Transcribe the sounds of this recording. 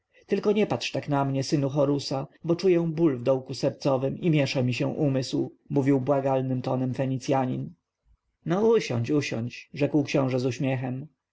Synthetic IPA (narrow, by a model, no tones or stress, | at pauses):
t̪ɘlkɔɲɛpat̪ʂt̪aknamɲɛsɘnuxɔɾusabɔt͡ʂujɛ̃bulvd̪ɔwkusɛɾt̪sɔvɘmimʲjɛʂamʲiɕɛ̃ʔumɘswmuvʲiwbwaɡalnɘmt̪ɔnɛmfɛɲit̪sʲjaɲḭn | nɔuɕɔ̰̃ɲt͡ɕuɕɔ̰ɲt͡ɕʐɛkwkɕɔ̃w̃ʐɛzuɕmʲjɛxɛm